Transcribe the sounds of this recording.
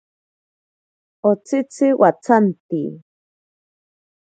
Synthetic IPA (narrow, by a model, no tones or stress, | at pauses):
ot͡sʰɪt͡sʰɪwʔat͡sʰant̪ḭ